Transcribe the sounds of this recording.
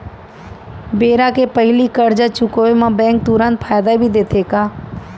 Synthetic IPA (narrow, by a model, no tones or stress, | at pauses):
beːɾakepəɦɪlikəɾd͡ʒat͡ʃʊkoːemãbɛ̃ːŋk̚t̪uɾãnt̪̚fʰaːjd̪abʱid̪eːt̪ʰeːkaː